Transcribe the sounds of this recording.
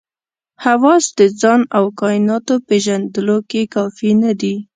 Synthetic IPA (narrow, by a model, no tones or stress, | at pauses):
hawɑsd̪əd͡zɑnawkɑjɪnɑt̪opeʒand̪əlokekɑfinad̪i